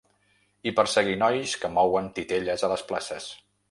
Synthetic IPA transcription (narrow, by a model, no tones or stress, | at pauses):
ipəɾsəɣinɔjskəmɔwənt̪it̪eʎəzələspla̰səs